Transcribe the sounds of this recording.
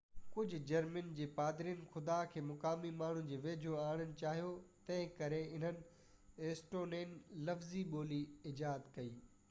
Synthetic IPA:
kʊd͡ʑʱʊ̆d͡ʑɐɾmənd͡ʑeːpaːd̪ɾiːnxʊd̪aːkʰeːmʊkaːmimaːɳ̤ʊnɪ̆d͡ʑeːʋeːd͡ʑʱoaːɽ̃ənɪ̆t͡ɕaːɦijot̪ɐ̃ɦɪ̃kɐɾeɪn̤ənɪ̆ | eːsʈoːneːnlɐfziɓoːliɪd͡ʑaːt̪kɐiː

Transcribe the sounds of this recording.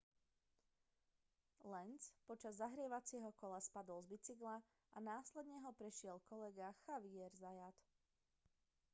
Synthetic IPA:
lɛnt͡spɔt͡ʃazːaɦɾɪɛʋat͡sɪɛɦɔkɔlaspad̪ɔlzbit͡siɡla | ʔanaːslɛd̪ɲɛɦɔpɾɛʃɪɛlkɔlɛɡaxaʋiɛɾzajat̪

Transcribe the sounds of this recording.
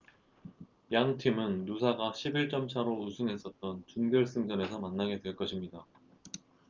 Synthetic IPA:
jaŋtʰimɯnːusʰaɡaɕʰibiɭt͡ɕ͈ʌmt͡ɕʰaɾousʰɯŋɦe̞s͈ʌt̚t͈ʌnt͡ɕunɡjʌɭs͈ɯŋd͡ʑʌne̞sʰʌmanːaɡe̞dwe̞ɭk͈ʌɕʰimɲida

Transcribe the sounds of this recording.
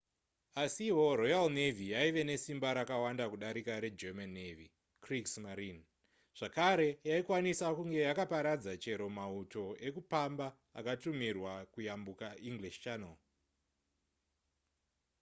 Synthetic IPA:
asiwo̞ɾojalne̞vijaiʋe̞ne̞simbaɾakawandakuɗaɾikaɾe̞d͡ʒemanːevi | kriksmaɾin | ʐ̥akaɾe̞jaikwanisakuŋɡe̞jakapaɾad͡zat͡ʃe̞ɾo̞mauto̞e̞kupamba | a̰katumirwakujambukaiŋɡliʃt͡ʃana̰l

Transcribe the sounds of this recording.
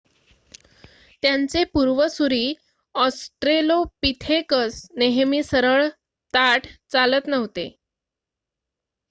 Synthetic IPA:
t̪jant͡sepuɾʋəsuɾiː | ɔsʈɾelopit̪ʰekəsneɦmiːsəɾəɭ | t̪aʈʰt͡salət̪nəʋt̪ḛ

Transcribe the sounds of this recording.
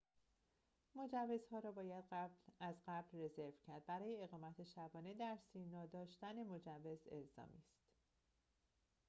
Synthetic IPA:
mo̞d͡ʒævːe̞zhɒːɾɒːbɒːjæd̪̥æblæzɢæblre̞ze̞ɾvcʰæɾd̪̚bæɾɒːje̞ːɣɒːmæt̪ʰe̞ʃæbɒːned̪æɾsinɒːd̪ɒːʃt̪æne̞mod͡ʒævːe̞ze̞̰lzɒ̰ːmiːst̪

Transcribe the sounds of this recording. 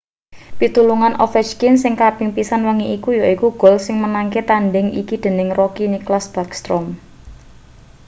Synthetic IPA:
pit̪uluŋanʔɔfɛt͡ʃkinsɪŋkab̥ɪŋpisanwəŋiʔikujoikuɡ̥ɔ̤lsɪŋmənaŋket̪anɖɪŋḭkid̪̥e̤nɪŋrokiniklasb̥akst̪ɾɔm

